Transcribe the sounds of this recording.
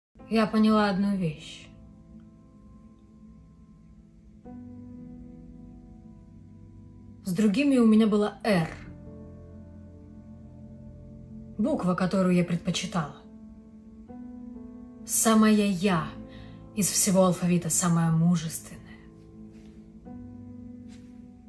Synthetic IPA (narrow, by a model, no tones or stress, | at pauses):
japənʲɪlˠaɐd̪nuvʲeɕ | zd̪ɾʊɡʲimʲɪʊmʲɪnʲabɨlˠaɛr | bukvəkɐt̪o̞ɾʊjʊjapɾʲɪt̪̚pət͡ɕɪt̪alˠ | saməjəja | ɪsfsʲɪvo̞ɐlˠfɐvʲit̪əsaməjəmuʐɨst̪vʲɪnːəjə